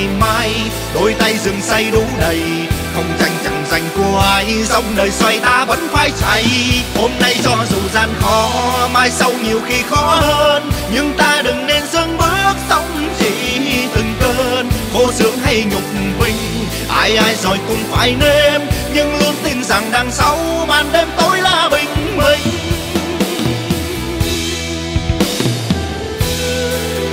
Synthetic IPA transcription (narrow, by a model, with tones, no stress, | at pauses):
maː˧j | ɗo˨˦jt̪a˧jzɨ˨˩ŋsa˧jɗʊ˨˦ɗə˨˩j | xə˧wŋ͡mza˨˧˩jŋ̟t͡ɕa˨˩ŋ͡mza˨˩jŋ̟ku˧˩əʔaː˧jza˧wŋ͡mnəː˨˩jswa˧˩jt̪aː˧və̰˧˥nfaː˧˩jt͡ɕa˧˩jho˧mna˧jt͡ɕɔ˧˩zu˨˩zaː˧nxɔ˨˦maː˧˩jsa˧wɲi˨˩əwxi˧xɔ˨˦həː˧nɲɨ˧ŋt̪aː˧ɗɨ˨˩ŋne˧nzə˧ŋɓɨ˦˥ək̚za˧wŋ͡mt͡ɕi˧˨˩t̪ʰɨ˨˩ŋt̪əː˧nko˧˦zɨ̰˧˥əŋha˧jɲʊ˨˩k͡p̚ɓï˧˩ŋ̟ | ʔaː˧˩jʔaː˧jzɔ˨˩jkʊ˨˩ŋ͡mfa̰ː˧˨˩jne˧mɲɨ˧ŋlu˧˦ənt̪ï˧˩ŋ̟za˨˩ŋɗaː˧˩ŋsa˧˦wmaː˨˩nɗe˧mt̪o˧˥jlaː˧˩ɓï˨˩ŋ̟mï˨˩ŋ